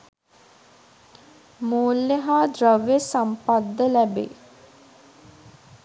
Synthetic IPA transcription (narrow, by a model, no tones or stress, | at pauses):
muːlːeɦaːd̪rəʋesampad̪ːəlɛbḛː